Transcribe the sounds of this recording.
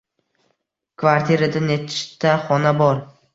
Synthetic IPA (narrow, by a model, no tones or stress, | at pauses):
kʰvaɾt̪ʰiɾad̪anet̪ʰɪ̥ʃt̪ːaχɒnabɒɾ